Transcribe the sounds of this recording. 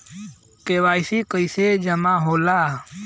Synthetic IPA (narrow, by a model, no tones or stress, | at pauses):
keːʋaːjsiːkəiseːd͡ʒəmãːɦoːlaː